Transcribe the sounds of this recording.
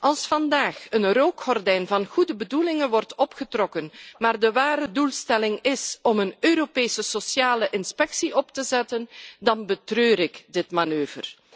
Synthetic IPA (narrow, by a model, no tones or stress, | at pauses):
ʔɑlˠsfɑndaːxənroːkxɔrdɛjnvɑnɣudəbədulɪŋənʋɔrtɔpχətrɔkənmaːrdəʋaːɾədulˠstɛlɪŋɪsɔmənøːɾopeːsəsosjaːləʔɪnspɛksiʔɔptəzɛtəndɑnbətrøːɾɪkdɪtmanøːvə̰r